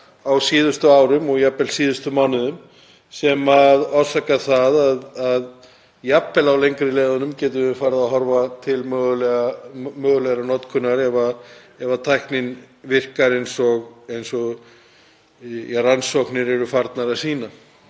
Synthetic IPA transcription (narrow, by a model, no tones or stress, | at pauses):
awsiːðʏst̪ʏaːwɾʏmɔɣjapːɛlsiːðʏst̪ʏmawnʏðʏm | sɛmaðaw̥sakaθaðaðað | japːɛlawlejŋkɾɪlɛːðanʏmcɛːt̪̬ʏɪfaːɾɪðaðɦɔɾvat̪ʰɪlmœːɣʏlɛamœːɣʏlɛɣɾanɔt̪kʰʏnːaɾɛva | ɛvat̪ʰajhknɪn | vɪr̥kaɾejnsɔɣejnsɔ | jransɔwknɪɾɛɾʏfaɾt̪naɾḁsiːna